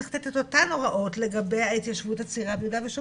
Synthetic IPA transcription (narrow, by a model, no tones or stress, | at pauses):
χtettotano̞ʁaʔo̞tle̞ɡabe̞jhait̪jaʃvuthat͡siʁabudaveʃo